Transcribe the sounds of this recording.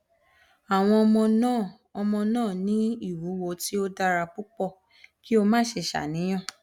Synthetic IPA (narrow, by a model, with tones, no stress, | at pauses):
a˨w̃ɔ̃˧ɔ˧mɔ̃˧nã˦˨ | ɔ˧mɔ̃˧nãː˦˨nĩ˦i˦˨wu˨˦wo˧ti˦o˦da˧ɾa˧k͡pu˦k͡pɔ˦˨ | ki˦o˧mãː˦˨ʃe˧ʃa̰˨nĩ˨˦j̃ã˦˨